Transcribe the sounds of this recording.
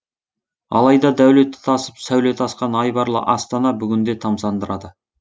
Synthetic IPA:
ɑ̰lˠɑjd̪ɑd̪æwle̞t̪ːɪ̥t̪ʰɑsə̥psæwle̞t̪ʰɑsqɑnɑjbɑɾlˠə̰ʔɑst̪ɑnɑbʏɡʲɪnd̪e̞t̪ʰɑmsɑnd̪əɾɑd̪ə

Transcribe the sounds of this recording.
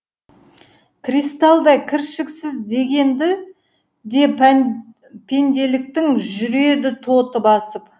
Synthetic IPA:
krijst̪alˠd̪ɑjkʲʰɪɾʃɪksɪzd̪e̞ɡʲe̞nd̪ɪ | d̪e̞ | pʰe̞nd̪e̞lɪk̚t̪ɪŋʒʏɾe̞d̪ɪt̪ʰo̞t̪əbɑsəp

